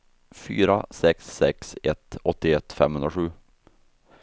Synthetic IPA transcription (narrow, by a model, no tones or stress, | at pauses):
fy̰ːɾasɛksːɛksɛt̪ɔt̪ːɪɛt̪ːfɛ̰mhɵnɾaɧʉː